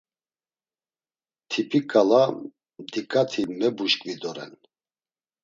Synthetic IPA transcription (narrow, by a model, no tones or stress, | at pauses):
t̪ʰipʰikʼala | md̪ikʼat̪ʰimɛbuʃkʼvid̪ɔɾɛ̰n